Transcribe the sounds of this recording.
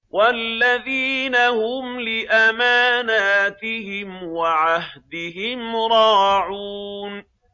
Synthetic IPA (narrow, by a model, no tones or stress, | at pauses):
wʔalːaðiːnahʊmlɪʔamaːnaːt̪ɪhɪmwaʕahd̪ɪɦɪmɾˤɑːʕun